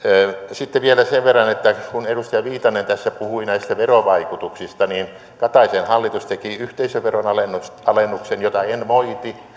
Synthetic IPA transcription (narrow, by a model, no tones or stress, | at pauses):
sit̪ːeʋielæseʋʋerːɑnet̪ːækunedust̪ɑjɑʋiːt̪ɑnent̪æsːæpuhuinæist̪æʋeroʋɑikut̪uksist̪ɑniːn | kɑt̪ɑisenhɑlːit̪ust̪ekiyht̪eisøʋʋeronɑlensɑlenːuksenjot̪ɑenmoit̪i